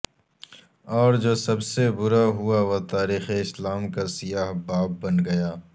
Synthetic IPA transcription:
ɔːɾd͡ʒoːsɐbsebʊɾaɦʊaʋot̪aːɾiːxeɪslaːmkasɪjaːɦbaːb̚ːɐnɡɐjaː

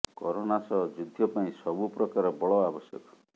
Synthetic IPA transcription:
kɔɾonasɔd͡ʒud̪ʱjɔpaĩsɔbupɾɔkaɾɔbɔɭɔabɔsjɔ̰kɔ̥

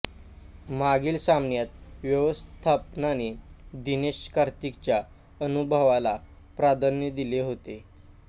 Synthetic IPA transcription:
maɡiːlsamnjat̪ʋjəʋəst̪ʰapnanid̪ineɕkaɾt̪ikt͡ɕja | ənubʱəʋala | pɾad̪ənjəd̪ileɦot̪e

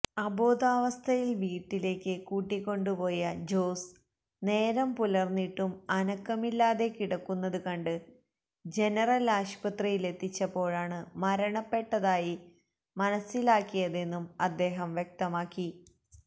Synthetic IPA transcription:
ɐbo̞ːd̪aːʋɐst̪ʰɐjilʋiːʈːile̞ːkːɨkuːʈːikʲːo̞ɳɖupo̞ːjɐd͡ʑo̞ːs | ne̞ːɾɐmpulɐrnːiʈːumɐnɐkːɐmilːaːðe̞kiɽɐkːunːɐðukɐɳɖɨ | d͡ʑe̞nɐrɐlaːʂpɐt̪rijile̞t̪ːit͡ɕːɐpːo̞ːɻaːɳɨmɐɾɐɳɐpːe̞ʈːɐðaːji | mɐnɐsːilaːkːijɐðe̞nːumɐd̪ːe̞ːɦɐmʋjek̚t̪ɐmaːkːi

